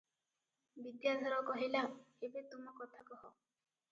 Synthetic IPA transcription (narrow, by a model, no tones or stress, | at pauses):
bid̪jad̪ʱɔɾɔkɔɦilaebet̪umɔkɔt̪ʰakɔɦɔ